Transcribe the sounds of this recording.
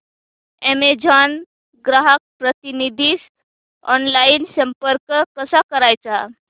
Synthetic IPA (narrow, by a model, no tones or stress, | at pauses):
emed͡ʒʱan | ɡɾaɦək̚pɾət̪inid̪ʱis | ɔnlajinsəmpəɾkkəsakəɾajt͡sa